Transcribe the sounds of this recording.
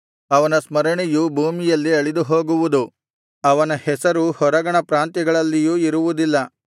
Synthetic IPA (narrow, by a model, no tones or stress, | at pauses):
ɐʋɐnɐsmɐɾɐɳijubʱuːmijɐlːiɐɭid̪uɦo̞ːɡuʋud̪u | ɐʋɐnɐhɛsɐɾuhɔɾɐɡɐɳɐpɾaːnt̪jɛɡɐɭɐlːijuːiɾuʋud̪ilːɐ